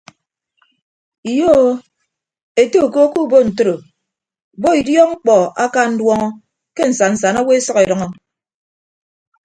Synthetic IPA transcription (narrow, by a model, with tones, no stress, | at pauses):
i˨jo˦o˦ | e˨to˦u˨ko˦ku˦bo˦n̩˨to˦ɾo˨ | bo˦i˨djɔ˦ŋ͡m̩˦k͡pɔ˨a˦ka˦n̩˦dwɔ˦ŋɔ˦ | ke˦n̩˨sa˨n̩˨sa˨na˦we˦sʌ˦ke˨dʌ˨ŋɔ˦